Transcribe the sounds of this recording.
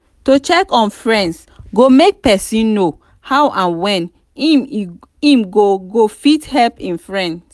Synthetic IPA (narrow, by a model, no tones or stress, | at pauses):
tot͡ʃɛkɔ̃nfɹɛ̃nds | ɡomek̚pɛsĩnːo | haʊwʔãnwɛ̃n | im | ĩmɡoɡofithɛlpĩnfɹɛ̃nd